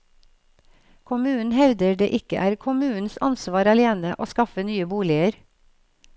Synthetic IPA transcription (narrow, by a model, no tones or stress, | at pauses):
kʰʊmʉːn̩hɛʋd̪əɖḛːʔɪkə̰ʔæːɾkʰʊmʉːn̩sɑ̰nsʋɑːɾɑleːnəʔoːskɑfənyːəbuːlɪəɾ